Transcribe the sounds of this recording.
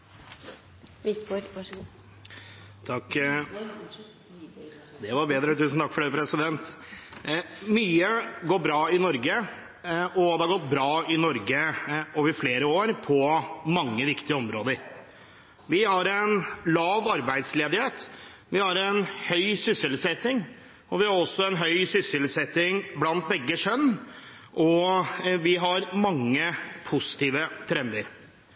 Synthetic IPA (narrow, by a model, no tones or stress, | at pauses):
t̪ʰɑk | d̪ɛʋɑɾbeːd̪ɾət̪ʰʉːsn̩t̪ʰɑkfɔɖɛpʰɾɛsɪd̪ɛnt̪ | myːəɡoːɾbɾɑːɪnɔɾɡə | ʔɔd̪ɛhɑɾɡɔt̪̚ːbɾɑːɪnɔɾɡəoːʋəɾfleːɾəoːɾpʰɔmɑŋːəʋɪkt̪ɪəɔmɾoːd̪əɾ | ʋɪhɑɾɛnlɑːʋɑɾbæɪd̪sleːd̪ɪheːt̪ | ʋɪhɑɾɛnhœʏsʏsɪlsɛt̪ːɪŋ | ɔʋɪhɑɾɔsːɔɛnɦœʏsʏsɪlsɛt̪ːɪŋblɑnt̪̚bɛɡːəʂœnː | ʔɔʋɪɦɑɾmɑŋːəpʰʊsɪ̥t̪iːʋət̪ʰɾɛnd̪əɾ